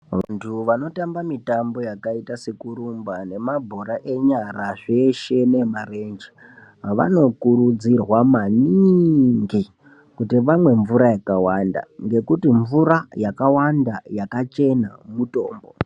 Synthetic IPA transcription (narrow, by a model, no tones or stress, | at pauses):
ʋa̰ntʰuʋano̞tambamitambo̞jakaitase̞kuɾumbane̞mabʱoɾaʔe̞ɲaɾaʐe̞ʃe̞nemarend͡ʒi | ʋa̰no̞kuɾud͡zirwamaniŋɡi | kutiʋamwe̞ɱvuɾajakawanda̰ŋɡe̞kutiɱvuɾajakawandajakat͡ʃe̞na̰muto̞̰ːmbo̰